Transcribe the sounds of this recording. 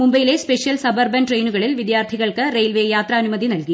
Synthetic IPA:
mumbɐjileːspeʂijɐlsɐbɐrbɐnʈrejnuɣɐɭilʋid̪jaːrt̪ʰiɣɐɭkɨrejlʋeːjaːt̪rɐːnumɐd̪inɐlki

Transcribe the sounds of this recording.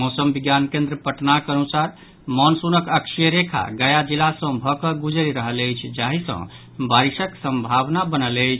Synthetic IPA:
mosəmbiɡjankẽnd̪ɾəpəʈnakənusaɾ | mɔnsunəkəkʃijəɾekʰa̰ɡəjad͡ʒilasə̃bʱɔkəɡud͡ʒɾiɾəɦələjt͡ʃʰd͡ʒaɦisə̰̃ | baɾisəksə̃mbʱabnabənələjt͡ʃʰ

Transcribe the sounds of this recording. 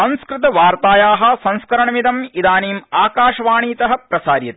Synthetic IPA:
ɐ̃nskɾɪt̪ɐʋaːɾt̪aːjaːɦɐ̆sɐ̃nskɐɾɐɳɐmid̪ɐmid̪aːniːmaːkaːʃɐʋaːɳiːt̪ɐɦɐ̆pɾɐsaːɾjɐt̪i

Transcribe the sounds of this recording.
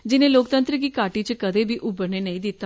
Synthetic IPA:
d͡ʒɪnẽːloːkt̪ə̃nt̪ɾəkiːkaːʈiːt͡ʃkəd̪eːbiːʔʊbəɾneːnəĩːd̪ɪt̪ːaː

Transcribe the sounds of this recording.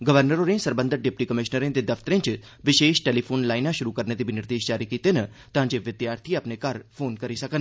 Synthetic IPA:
ɡəʋəɾnəɾoːɾẽsəɾbə̃nd̪əɾɖɪp̚ʈiːkəmɪʃnəɾẽːd̪ed̪ɐfʰt̪əɾẽt͡ʃ | ʋɪʃeːʃʈeːliːpʰoːnlaːɪnãʃʊɾuːkəɾneːd̪iːbɪnɪɾd̪eːʃd͡ʒaːɾikiːt̪eːnə | t̪ɐɦãːɲd͡ʒeʋɪd̪jaːɾt̪ʰiəpnekəɾpʰoːnkəɾisəkən

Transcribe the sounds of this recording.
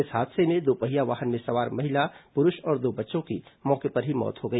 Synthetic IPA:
ɪsɦaːd̪semẽd̪oːpɐɦijaʋaːɦənmẽsɐʋaːɾmɐɦɪlapʊɾʊʃɔːɾd̪oːbɐtːʃõkimɔːkepɐɾɦimɔ̰ːt̪ɦoɡɐiː

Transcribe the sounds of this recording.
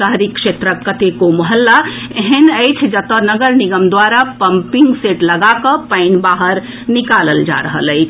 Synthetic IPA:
əɦəɾikʂet̪ɾəkːət̪ekoməɦəlːa | eɦenəjt͡ʃʰd͡ʒət̪ənəɡəɾniɡəmd̪waɾapəmpiŋɡseʈləɡakəpaɪnbaɦəɾ | nikaləld͡ʒa̰ɾəɦə̰ləɪt͡ʃʰ

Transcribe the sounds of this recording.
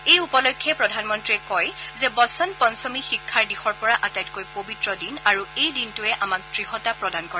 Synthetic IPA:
ejupɔlɔjkʰːɛpɹɔdʱanmɔntɹiɛkɔjzɛbɔsɔnpɔnsɔmixikʰːaɹdixɔɹpɔɹaʔatajt̚kojpobitɹɔdinaɹuejdintʊɛʔamak̚dɹihɔtapɹɔdankɔɹɛ

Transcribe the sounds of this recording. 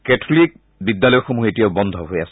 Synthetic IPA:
kɛtʰolik̚ | bidːalɔjɔxomuetijaʊbɔnd̪ʱɔɦojasɛ

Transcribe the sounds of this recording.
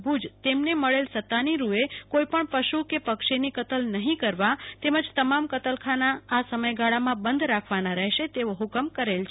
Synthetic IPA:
bʱud͡ʒt̪emneməɭelsət̪ːaniɾuekoipəɳpəʃukepəkʃenikət̪əlnəɦĩkəɾʋat̪eməd͡ʒt̪əmamkət̪əlkʰanaːsəməjɡaɭamãbənd̪ʱɾakʰʋanaɾɛɦʃet̪eʋoɦukəmkəɾelt͡ʃʰ

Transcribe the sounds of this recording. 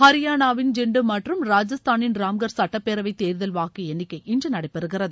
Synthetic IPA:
hɐɾɪjaːnaːʋɪnd͡ʒɛɳɖɯmɐʈrɯmɾaːd͡ʒɐst̪aːnɪnɾaːmɡɐɾsɐʈːɐpːeːɾɐʋɐɪt̪eːɾðɐlʋaːkːɐɛnːɪkːɐɪɪnd͡ʒɐnɐɽɐɪpːɛɾɯɣɪɾɐðɯ

